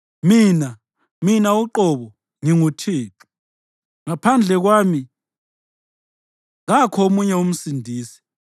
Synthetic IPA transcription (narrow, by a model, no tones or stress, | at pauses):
miːna | minauǃɔβɔ | ŋiŋutʰiːtʰʼu̥ | ŋapʰand͡ɮʱɛɣwaːmi | ŋakʰɔomuɲɛum̩sindʱiːsi̥